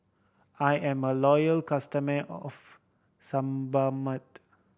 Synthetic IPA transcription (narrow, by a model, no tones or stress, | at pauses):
ajɛ̃məlɔjəlkastəməʔɔf | sãmbamət̚